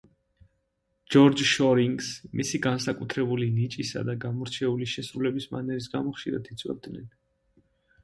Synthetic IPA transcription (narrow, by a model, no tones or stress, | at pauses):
d͡ʒɔɾd͡ʒʃɔɾiŋɡsmisiɡansakʼut̪ʰɾɛbulinit͡ʃʼisa̰d̪aɡamɔɾt͡ʃʰɛuliʃɛsɾulɛbisma̰nɛɾisɡamɔχʃiɾa̰d̪ʰit̪sʼwɛ̰b̚d̪nɛ̰n